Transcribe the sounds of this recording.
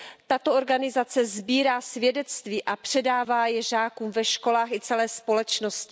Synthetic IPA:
t̪at̪ooɾɡanɪzat͡sɛzbiːɾaːsvjɛdɛt͡st̪viːʔapr̝̥ɛdaːvaːjɛʒaːkuːmvɛʃko̞laːxɪt͡sɛlɛːspo̞lɛt͡ʃnoscɪ

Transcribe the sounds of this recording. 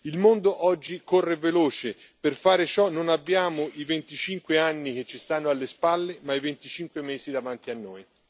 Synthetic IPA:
ilmond̪oʔɔd͡ʒːikorːeveloːt͡ʃe | perfaːɾet͡ʃɔnonabːjaːmʊʔivent̪it͡ʃiŋkweanːik̟et͡ʃːist̪anːoalːespalːemaivent̪it͡ʃiŋkwemeːsid̪avant̪ianːoːj

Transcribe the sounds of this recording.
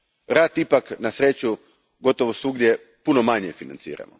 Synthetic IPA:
ɾaːt̪ipaknasɾet͡ɕu | ɡo̞t̪oʋosuɡd̪je | punomaɲefina̰nt̪sḭːɾa̰mo̰

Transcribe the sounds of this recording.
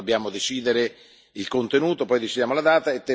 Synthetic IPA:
obːjaːmod̪et͡ʃiːd̪eɾe | ilkont̪enuːt̪opɔjd̪et͡ʃid̪jaːmolad̪aːt̪aet̪ːe

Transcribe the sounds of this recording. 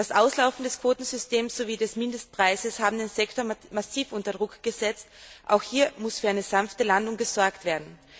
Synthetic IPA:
d̥asʔaʊslaʊfn̩dɛskv̥oːtn̩zʏsteːmsz̥oviːdɛsmɪndəst̚pʁ̥aɪzəshaːbm̩deːnzɛktoːɐmasiːfʔʊntɐdʁʊkɡ̥əzɛt͡stʔa̰ʊxhiːɐmʊsfyːɐaɪnəzanftəlandʊŋɡəz̥ɔɐktv̥eːɐdn̩

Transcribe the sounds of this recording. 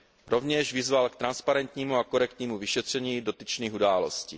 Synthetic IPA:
ɾo̞vɲɛʒvɪzvalkt̪ɾanspaɾɛnt̪ɲiːmuakoɾɛkt̪ɲiːmuvɪʃɛt̪r̝̥ɛɲiːdo̞t̪it͡ʃniːxudaːlo̞̰scḭː

